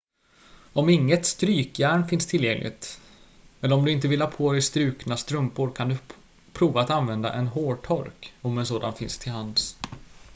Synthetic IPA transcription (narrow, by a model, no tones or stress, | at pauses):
ɔmɪŋːət̪st̪ɾyːkjæːɳfɪnst̪ʰɪljɛŋlɪ̰ɡt̪ | ɛləɾɔmd̪ɵɪnt̪̬əvɪlhɑːpʰoːd̪ɛɪst̪ɾʉ̟ːknast̪ɾɵmpʊɾkʰand̪ɵ | pʰɾuːvaːt̪anvɛnd̪a̰ʔɛnɦoːʈʰɔɾkɔmɛns̬oːd̪a̰nfɪ̰nst̪ʰɪlhans